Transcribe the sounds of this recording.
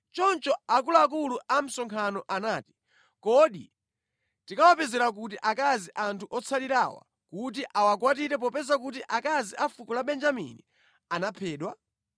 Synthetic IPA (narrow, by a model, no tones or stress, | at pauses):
t͡ʃɔnt͡ʃɔak̬ulak̬uluam̩sɔŋkʰanɔʔanaːti̥ | kɔɗḭ | tikawapɛzɛɾak̬utiʔakaziʔantʰuʔɔt͡sʰaliɾawa̰ | kut̬iʔawakwatiɾɛp̬ɔpɛzak̬utiʔakaziʔafukɔlaɓɛnd͡ʒamḭni | anapʰɛːɗwa